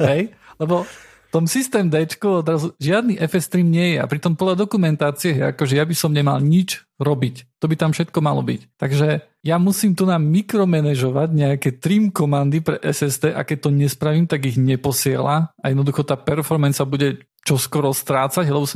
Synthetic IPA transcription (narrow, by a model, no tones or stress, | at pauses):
ɦɛjlɛbɔ | ft̪ɔmsist̪ɛːmd̪ɛt͡ʃkuɔd̪ɾazuʒɪad̪niʔɛfɛst̪ɾimɲɪɛjɛa̰pɾit̪ɔmpɔd̪lad̪ɔkumɛnt̪aːt͡siɛɦɛja̰kɔʒɛjabisɔmɲɛma̰lɲid͡ʒ | ɾɔbict̪ɔbit̪amfʃɛt̪kɔmalɔ̰bḭct̪aɡʒɛ | jamusiːmt̪unamikɾɔmɛnɛʒɔʋaɟɲɛakɛt̪ɾiːmkɔmand̪ipɾɛ̰ʔɛsɛzd̪ɛːʔa̰kɛc̚t̪ɔɲɛspɾaʋimt̪aɡiɣɲɛpɔsɪɛ̰laajɛd̪nɔd̪uxɔt̪aːpɛɾfɔɾmɛnsabuɟɛ | t͡ʃɔskɔɾɔst̪ɾaːt͡saɟɦlɛbɔs